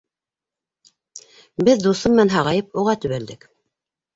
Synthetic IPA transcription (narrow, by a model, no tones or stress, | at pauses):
bɘðd̪usɤmːænɦɑʁɑjɤpuʁɑt̪ɵ̆βæld̪ɘk